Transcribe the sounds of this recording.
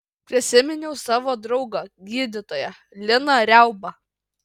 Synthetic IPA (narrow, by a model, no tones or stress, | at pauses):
pʲɾʲɪsʲɪmʲɪnʲɛʊsɑːʋoːd̪ɾɒʊɡɐɡʲiːd̪ʲɪt̪oːjɛ | lʲɪnɐɾʲɛˑʊbɐ